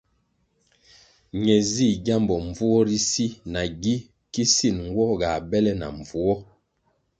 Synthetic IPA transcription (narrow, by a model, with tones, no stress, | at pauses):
ɲɛ˨zi˦˨ɡa˦mbɔ˨ɱ˨vu˦ɔ˦ɾi˦si˦na˨ɡi˦ | ki˦si˦˨nŋ˦ɡwɔ˦ɡa˨bɛ˦lɛ˦na̰˨ɱ˨vu˨ɔ˦